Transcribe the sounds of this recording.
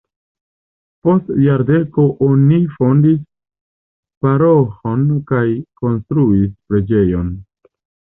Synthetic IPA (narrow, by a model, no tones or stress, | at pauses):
po̞stjaɾde̞ko̞ʔonifo̞ndis | paɾoxo̞nkajko̞nstɾuispɾe̞d͡ʒe̞jo̞n